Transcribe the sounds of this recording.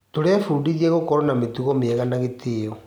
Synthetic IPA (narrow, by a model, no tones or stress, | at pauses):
toɾɛfudiðiɛɣokɔɾonametuɣomiɛɣanaɣetio